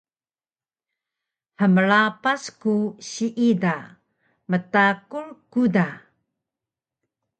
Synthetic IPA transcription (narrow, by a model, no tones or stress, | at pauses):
ħəməɭapaskuɕiʔida | mətakuɭkuda